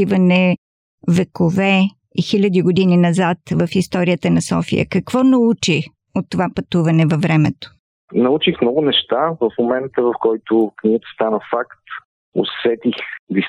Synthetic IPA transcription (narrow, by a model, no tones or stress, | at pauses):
ivɐnɛ | vɛkovɛ | ixilʲɐd̪iɡʊd̪ininɐzat̪vəfist̪ɔɾijət̪ənɐsɔ̰fḭjə̰kɐkvɔnɐut͡ʃi | ot̪ːovapɐt̪uvɐnɛvɐvɾɛmɛt̪o̥ | nɐut͡ʃixmnɔɡʊnɛʃt̪avəfmomɛnt̪əvɐfkɔjt̪okniɡət̪ə̥st̪anəfakt̪ | o̰sɛt̪ixd̪is